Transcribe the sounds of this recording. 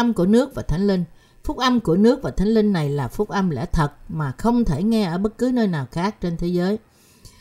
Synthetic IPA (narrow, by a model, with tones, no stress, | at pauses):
mku˧˩ənɨ˦˥ək̚vaː˨˩t̪ʰa˨˦ŋ̟lï˧ŋ̟ | fʊ˦˥k͡p̚ʔa˧mku˧˩ənɨ˦˥ək̚vaː˨˩t̪ʰa˨˦ŋ̟lï˧ŋ̟ːa˨˩jlaː˨˩fʊ˦˥k͡p̚ʔa˧mlɛ̰˧˥˩t̪ʰə˨˩t̚maː˨˩xə˧wŋ͡mt̪ʰe˧˩ŋɛ˧ʔəː˧˩ɓə˦˥t̚kɨ˨˦nəː˧jnaː˨˩wxaː˦˥k̚t͡ɕe˧nt̪ʰe˨˦zəː˨˦j